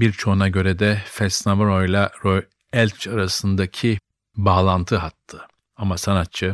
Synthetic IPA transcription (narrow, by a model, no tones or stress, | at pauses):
biɾt͡ʃʰo̞unaɟø̞ɾɛd̪ɛfɛsnavaɾojlʲˠaɾoj | ɛlʲt͡ʃʰaɾasɯnd̪acʰi | baːlˠant̪ʰɯɦat̪ʰːɯ | amasanat̪̚t͡ʃʰɯ